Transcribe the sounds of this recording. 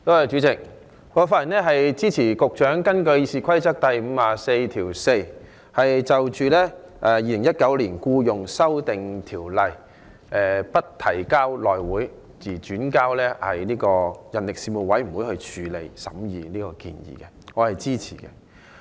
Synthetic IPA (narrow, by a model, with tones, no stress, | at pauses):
t̪o˥hɐ˨˧jt͡ʃyː˨˥t͡sɪ˨k̚ | ŋɔ˨˧faː˥tːi˨˩nlɛː˥ɦɐ˨jt͡siː˥t͡sʰiː˨˩kʊ˨k̚t͡ʃœː˨˥ŋkɐ˥nkɵ˧ɥi˧siː˨kʰɐ˥jt͡sɐ˥k̚t̪ɐ˨jm̩ː˨˧aː˨se˧jt̪ʰiː˨˩wse˧j | hɐ˨jt͡sɐ˨wt͡ʃyː˨lɛː˥ | ʔɛː˨˧jiː˧lɪ˨˩ŋjɐ˥t̚kɐ˨˥wliː˨˩nkuː˧jʊ˨ŋsɐ˥wt̪ɪ˨ŋt̪ʰiː˨˩wlɐ˨j | ɛː˨˧pɐ˥t̚t̪ʰɐ˨˩jkaː˥wlɔː˨jwuː˨˥j | t͡siː˨˩t͡ʃyː˨˥nkaː˥wlɛː˥hɐ̰˨jniː˥kɔː˧jɐ˨nlɪ˨k̚siː˧mu˨˩wɐ˨˥jm̩˨˩wu˨˥jhɵ˧ɥt͡ʃʰyː˨˧lḛ˨jsɐ̰˨˥mjiː˨˧niː˥kɔ˧kḭː˧njḭː˨˩kɛ˧ŋɔː˨˧hɐ˨jt͡siː˥t͡sʰḭː˨˩kɛ̰˧